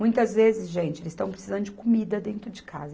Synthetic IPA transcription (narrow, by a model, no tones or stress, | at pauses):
mũj̃t̪ɐzvezɪsʒẽnt͡ʃɪelɪzɪst̪ɐ̃w̃pɾesizɐ̃nd̪ʊd͡ʒɪkomid̪ɐd̪ẽnt̪ɾʊd͡ʒɪkʰa̰zɐ